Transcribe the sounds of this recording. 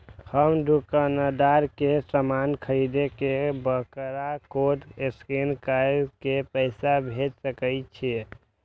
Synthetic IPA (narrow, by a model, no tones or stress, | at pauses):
həmɖ̪ʱukanəd̪aɾkesəmankʰəɾid̪ekebəkɾakoʈeskenkakepəɪsabʱet̪səkəjt͡ʃʰi